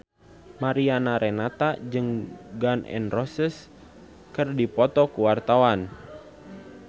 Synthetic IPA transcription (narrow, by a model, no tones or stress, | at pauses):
maɾianaɾɛnat̪ad͡ʒɨŋɡanʔɛ̰nrɔsəs | kɨrdipɔt̪ɔkuwart̪awan